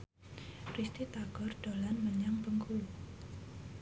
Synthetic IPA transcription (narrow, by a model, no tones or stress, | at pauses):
rist̪it̪aɡ̥ɔrɖ̪̥olanməɲaŋbəŋkʰul